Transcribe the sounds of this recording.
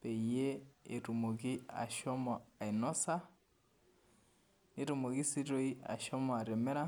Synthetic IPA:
pe˨je˦e˨tu˨mo˨kɪ˦a̰˨ʃɔ˦mɔ˨a˨ɪ˨nɔ˦sa˦ | ne˦to˨mo˨ki˦si˦ɾo˦i˦a̰˨ʃɔ˦mɔ˨a˨ɾɛ˨mɛ˦ɾa˦

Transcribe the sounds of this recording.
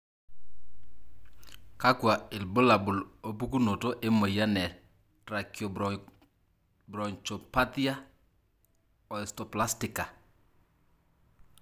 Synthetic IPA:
ka˦kwa˨ɪ˨lbo˦la˨bʊ˨lo˦pu˦ku˦no˨to˦ʔe˦mo˨ja˦nɛ˨ | tɾa˨kjo˨ | bɾɔ˨ɲt͡ʃo˨pa˦ti˦a˦ | ɔ˨ɛ˨stɔ˨pla˦stɪ˨ka˨

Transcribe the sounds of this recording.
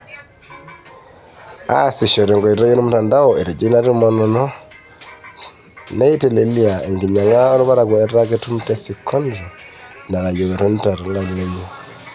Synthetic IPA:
a̰˦si˨ʃɔ˨ɾe˨ŋɡɔ˨i˨ɾɔ˦jo˦nu˦mu˦˨ta˨nda˦ɔ˨e˨ɾe˨d͡ʒi˦na˦ɾu˦mɔ˨nɔ˨nɔ˦ | na˦i˦te˨le˨li˦a˨e˨ŋɡi˨ɲa˨ŋa˦o˦ɾɔ˦βa˦ɾa˨kwɔ˨ɛ˦ta˦ke˦tu˦mtɛ˦si˨kʰːɔ˦nɾi˨na˨ɾa˨jo˨we˨ɾɔ˦n˦ta˨ɾi˨ŋɡa˨le˦ɲe˦

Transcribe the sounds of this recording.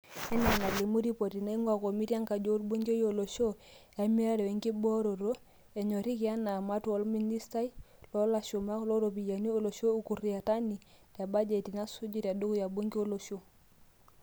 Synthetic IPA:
ɛ˦na˨na˨li˨mu˦ɾi˦po˨ti˨na˦i˦ŋɡa˨ko˨mi˦ɾja˦ŋka˨d͡ʒo˦ɾbo˦ŋɡo˦jo˨lo˨ʃo˦ja˨mi˦a˦ɾɛ˨i˨ŋki˦bɔ˦ɾo˨ɾo˦ | ɛ˨ɲɔ˨ɾi˦ki˨a˦na˨ma˦tɔ˨˦lmi˦ni˦sta˦i˦lɔ˦la˨ʃu˨ma˦klɔ˦ɾo˨pi˨ja˨ni˦o˦˨lo˨ʃo˦u˨ku˨ri˨a˨ta˦ni˨ta˨ba˦d͡ʒe˨ti˨na˦su˦d͡ʒi˦ta˨du˦ku˦ja˨bo˦ŋɡi˦o˦lo˨ʃo˦

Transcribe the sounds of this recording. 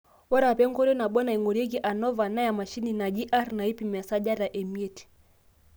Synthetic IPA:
wɔ˦ɾa˨pɛ˦ŋ˦kɔ˦ɾɔ˦na˨ɓɔ˦na˨i˨ŋɔ˨ɾɛ˦ɡi˦ʔa˨nɔ˦va˨na˦ja˨ma˨ʃi˦ni˨na˨d͡ʒi˦ʔa˦ɾna˨i˦pi˨ma˨sa˦ʄa˦ɾa˨ʔɛ˨mi˦ɛ˦ti̥˨

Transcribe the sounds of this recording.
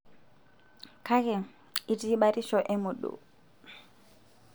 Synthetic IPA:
kʰa˦kɛ˨ | i˨tʼiː˦ɓa˦ɾi˦ʃɔ˨ʔɪ˦mʊ˨ɗṵ˨

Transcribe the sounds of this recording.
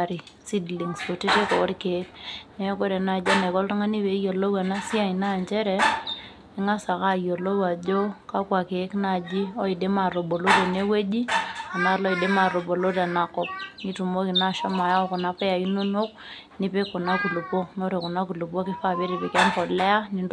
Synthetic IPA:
ɾi˨ | si˦dli˨ŋso˨ti˦te˦kɔ˨˦ɾke˨˦knɛ˦ko˦ɾɛ˨na˨d͡ʒa˦ne˨kɔ˦ltu˦ŋa˦ni˦be˨˦jo˨lo˦wa˨na˦si˦a˦˨i˨na˦˨ɲt͡ʃɛ˦ɾɛ˨ | ɛ˦ŋa˦sa˨ka˦˨jo˨lo˦wa˨d͡ʒo˦ka˦kwa˨ke˨˦kna˦˨d͡ʒi˦ɔ˦i˨de˦ma˨ɾo˨bo˨lo˦de˨ne˦we˦d͡ʒi˦a˨na˦lɔ˦i˨de˦ma˨ɾo˨bo˨lo˦da˨na˨kɔ˦p̚ni˦tu˨mo˦ki˨na˦˨ʃa˦ma˨ja˦kɔ˨na˦pa˦ja˨i˦no˦no˦k̚ | ni˦pe˦kɔ˨na˦ku˨lu˨pɔ˦no˦ɾe˨kɔ˨na˦ku˨lu˨po˦kɪ˦fa˦˨be˦ɾi˨pi˨ka˦npɔ˨lɛ˦a˦ni˨n

